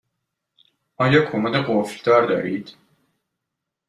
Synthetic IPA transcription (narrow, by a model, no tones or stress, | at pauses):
ɒːjɒːkʰomad̪eɢofld̪ɒːɾd̪ɒ̰ːɾiːd̪̥